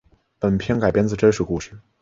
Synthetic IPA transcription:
pə˨˩npʰjɛ˥ŋka˨˩ɪpjɛ˥nt͡sɹ̩˧˩ʈ͡ʂə˥nʂɻ̩˥˩ku˥˧ʂɻ̩˥˩

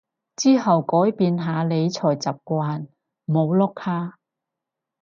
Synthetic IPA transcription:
t͡siː˥ɦɐ˨wkɔː˨˥jpiː˧nɦaː˨˧le˨˧jt͡sʰɔː˨˩jt͡sɐ˨p̚kʷaː˧n | mo˨˧wlɔ˥kʰaː˥

